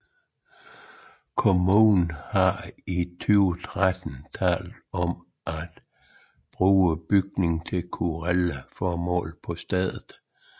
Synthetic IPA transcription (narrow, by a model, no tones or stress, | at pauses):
kʰo̝muːnhɑ̈it͡sʰyʊt͡sʰʁad̥n̩t͡sʰɛ̰ːld̥ɒ̽m | ʔæd̥ | b̥ʁuːəb̥yɡ̥̚ne̝ŋt͡sʰe̝lkʰuʁelæfɒːmɔ̰̽ːlpʰɒ̽sd̥ɛð̰ˠð̩ˠ